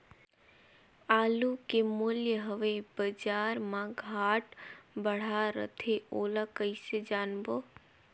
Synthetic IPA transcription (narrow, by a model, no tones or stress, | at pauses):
aːlukemʊljəɦəʋebəd͡ʒaːɾmãɡʱaːʈbəɽ̤aɾə̰t̪ʰeoːlakəised͡ʒaːnboː